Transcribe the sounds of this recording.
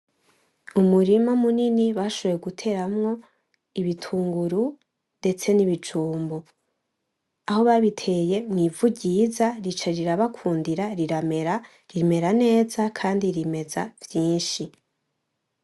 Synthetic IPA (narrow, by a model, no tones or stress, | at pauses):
umuɾimamuniniβaʃoβojeɡutʰe̞ɾamŋo̞ | iβitʰuːŋɡuɾu | nde̞t͡se̞niβit͡ʃuːmbo | aho̞βaβitʰe̞je̞mŋiːvuɟizaɾit͡ʃeɾiɾaβakʰuːndiɾaɾiɾameɾa | ɾime̞ɾane̞ːzakʰaːndiɾime̞zavjiːnʃi